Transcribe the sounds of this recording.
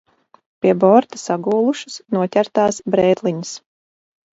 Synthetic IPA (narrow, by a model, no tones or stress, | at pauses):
pʲiɛbɔɾt̪asaɡuːlˠuʃu̥snuɔt̪ʲæɾt̪aːsbɾɛːd̪lˠiɲəs